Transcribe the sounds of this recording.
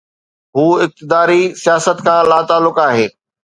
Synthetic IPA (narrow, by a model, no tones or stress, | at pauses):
ɦuːɪk̚t̪ɪd̪aːɾisijaːsət̪kʰãːlaːt̪aːlːʊkaːɦeː